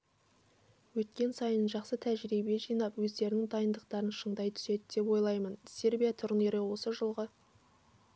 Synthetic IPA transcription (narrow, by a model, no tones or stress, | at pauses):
wɵt̪kʲe̞nsɑjənʒɑqsət̪ʰæʒɾibe̞ʒijnɑpwɵzd̪e̞ɾɪnɪŋd̪ɑjənd̪əq̚t̪ɑɾənʃəɴd̪ɑjt̪ʰʏ̥se̞d̪ɪd̪̥e̞pwo̞jlˠɑjmənse̞ɾbʲijat̪ʰʊɾne̞ɾɪwo̞səʒəlˠʁə